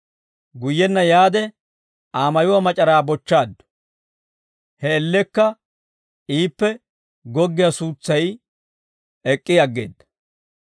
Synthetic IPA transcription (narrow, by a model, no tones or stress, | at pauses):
ɡʊjːɛnːɐjaːd̪ɛ | ʔaːmɐjʊwɐmɐt͡ʃʼɐɾaːbɔt͡ʃːaːd̪ːʊ̥ | hɛːlːɛkːɐ | iːpːɛ | ɡɔɡːɪjasuːt͡sːɐj | ɛkʼːɪɐɡːḛːd̪ːɐ̥